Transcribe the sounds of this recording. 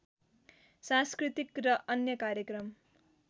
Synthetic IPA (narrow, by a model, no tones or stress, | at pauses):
sãskrit̪ikrʌʔʌnjʌkaɾjʌkrʌm